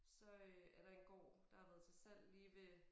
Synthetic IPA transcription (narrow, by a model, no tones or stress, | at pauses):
sɒ̽øæɐɾ̥ɑ̈e̝nɡ̥ɒ̰ːd̥ɑ̈hɑ̈ʋæːð̞̩ˠsʰɑɪsel̰liːʋe̝